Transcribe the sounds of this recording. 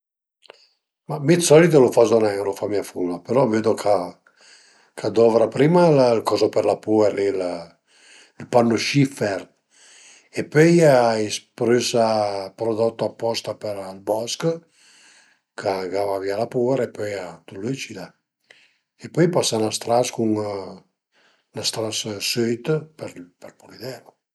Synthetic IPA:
mamit̪sɔlit̪̬olofazonɛlofamiafulːapeɾɔveːd̪okʰa | kʰad̪ɔvɾapɾiːmallkɔzopeɾlapuɛɾlil | ilpanːoʃifɛɾ | epːøjaispɾysapɾod̪ɔt̪ːoapːɔst̪apɛɾlbɔsk | kʰaɡavavialapuɛɾepøjat̪ulet͡ʃid̪a | epøjpasanast̪ɾaskuŋ | nast̪ɾassøjt̪pɛɾpɛɾpulid̪ɛlo

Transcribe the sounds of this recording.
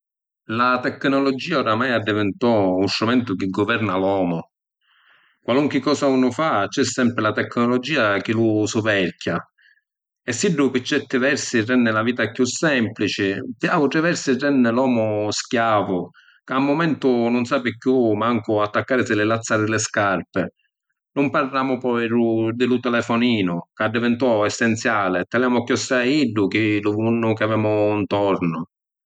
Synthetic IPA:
lat̪ɛkːnɔlɔd͡ʒiːaʊɾamajad̪ːivɛnt̪ɔunst̪ɾumɛnt̪ʊk̟ɪɡɔvɛɾnalɔːmʊ | kwaluŋkɪkːɔːsaunʊfat͡ʃːɛsːɛmpɾɪlat̪ɛkːnɔlɔd͡ʒiːak̟ɪlusʊvɛɾkʰja | ɛsːiɖːʊpɪt͡ʃːɛt̪ːɪvɛɾsɪrɛnːɪlaviːt̪akjusːɛmplit͡ʃɪpjaːut̪ɾɪvɛɾsɪrɛnːɪlɔːmʊskjaːvʊ | kamːʊmɛnt̪ʊnʊnsaːpɪkjumaŋkʊat̪ːakːaːɾɪsɪlɪlat̪sːaːɾɪlɪskarpɪ | nʊmparːaːmʊpɔjɾud̪ɪlut̪ɛlɛfɔniːnʊkadːɛvɛnt̪uɔɛsːɛnt̪sjaːlɪt̪ːaljaːmʊkːjɔsːaiɖːʊkɪluvunːʊkɪavɛːmʊnt̪ɔɾnʊ

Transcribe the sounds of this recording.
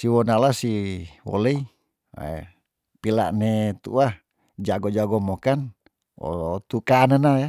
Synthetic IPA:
siwɔnalasiwo̰lei | a̰ | pila̰ʔnet̪ṵa | d͡ʒaɡod͡ʒaɡɔmokan | o̰t̪ukanənaja

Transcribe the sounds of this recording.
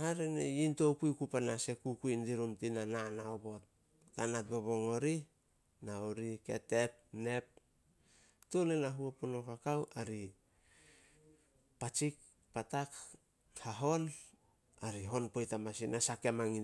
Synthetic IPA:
haɾeneinto̞kujkupanase̞kukuindiɾumtinananaobo̞t̚ | tanat̚boβo̞ŋo̞ɾi | naoɾike̞̰te̞t̚ne̞p̚ | tolenaɦuapunokakawaɾi | pat͡ʃik̚ | patak | haɦo̞n | aɾiɦo̞npo̞jtamasinasake̞maŋi

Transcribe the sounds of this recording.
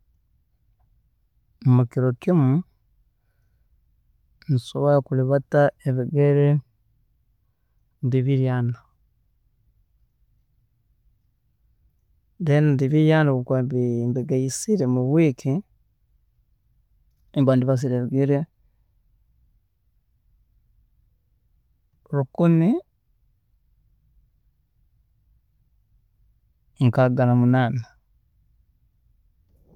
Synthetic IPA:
mukiɾokimu | nsoβojakuliβataeβiɡeɾe | ndiβiɾjaːna | denandiβiɾjanakukwambimbiɡaisiɾemuβwikʰi | embaːndiβas̬iɾeɾuɡiɾe | ɾukuni | ŋkaɡalamunaːna

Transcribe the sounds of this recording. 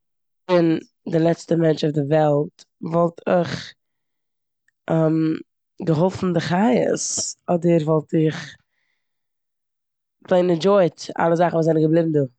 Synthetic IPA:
bɪn | dɪlˠɛt͡stəmɛnt͡ʃʊfdɪvɛlˠtvɔlˠtʰɪχ | ʔɛm | ɡəɦʊlˠfn̩dɪχajə̰sɔdəɾvɔlˠtɪχ | bleɪnəd͡ʒɔɪta̰lˠəzaχn̩vuːzaɪnɡəblˠibm̩duː

